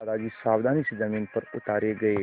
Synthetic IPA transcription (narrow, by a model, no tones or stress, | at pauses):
ɾad͡ʒisaʋd̪ʱanisd͡ʒəmiːnpəɾʊt̪aɾeɡəe